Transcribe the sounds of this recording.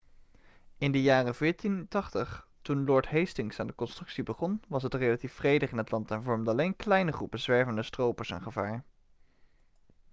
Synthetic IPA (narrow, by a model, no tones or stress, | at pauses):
ɪndəjaːrəvɪːɹtintɑχtəχ | tunlɔɹtɦejstɪŋsaːndəkɔnstrɵksibəχɔnʋɑsɦətrejlatifrejdəχɪnətlɑntɛnvɔɹmdəɑlejnklɛjnəχrupənzʋɛɹvəndəstrowpəɹsɛ̰nχəvaːɹ